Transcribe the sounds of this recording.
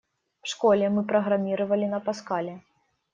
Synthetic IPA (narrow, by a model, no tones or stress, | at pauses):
wʂkɔlʲɛmɨpɾɐɣɾamʲiɾɐvɐlʲinɐpaskalʲɛ